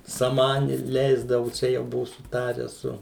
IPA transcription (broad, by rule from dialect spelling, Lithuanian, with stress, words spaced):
sɐˈmɑːnʲɪ ˈlʲɛɪzdɐʋʊ ˈt͡ʃʲɛ jɛʊ ˈbʊʋʊ sʊˈtɑːrʲæː ˈsʊ